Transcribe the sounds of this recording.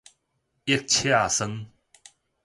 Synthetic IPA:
ʔi˥˨k̚t͡ɕʰi˦a˨sə˦ŋ

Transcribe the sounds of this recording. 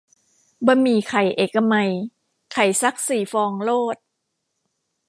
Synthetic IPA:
bɔː˧miː˧kʰa˨˩jʔeː˨˩kːa˧ma˧j | kʰa˨˩jsa˦˥k̚siː˨˩˦fɔː˧ŋloː˥˩t̪̚

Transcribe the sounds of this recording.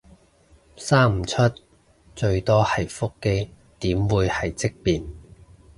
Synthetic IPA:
saː˥m̩˨˩t͡ʃʰɵ˥t̚ | t͡ʃɵ˧ɥt̪ɔː˥hɐ˨jfʊ˥kːe˥j | t̪iː˨˥mwuː˨˧jhɐ˨jt͡sɪ˥k̚piː˨˩n

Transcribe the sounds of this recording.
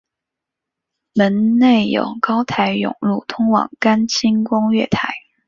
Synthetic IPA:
mə˧˥nne˥˩ɪjo̰˨˩ʊkɑ˥ʊt̪ʰa˧˥ɪjʊ̰˨˩ŋlu˥˩t̪ʰʊ˥ŋwɑ̰˨˩ŋka˥nt͡ɕʰi˥nkʊ˥ŋɥɛ̰˥˩t̪ʰa˧˥ɪ

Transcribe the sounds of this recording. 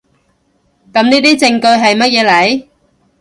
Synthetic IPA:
kɐ˨˥mniː˥t̪iː˥t͡sɪ˧ŋkɵ˧ɥɦɐ˨jmɐ˥t̚jɛː˨˧lɐ˨˥j

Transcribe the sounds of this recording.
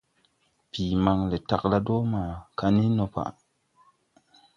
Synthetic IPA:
piː˨ma˧ŋle˨ta˨kla˦do˦maː˨ka˦ni˦no˧pa̰˨ʔ

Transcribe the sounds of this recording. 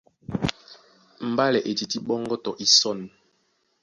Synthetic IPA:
m̩˨ba˦lɛ˨ʔe˨ti˨ti˦ɓɔ˦ŋɡɔ˦tɔ˨ʔi˦sɔ˦˨n˨

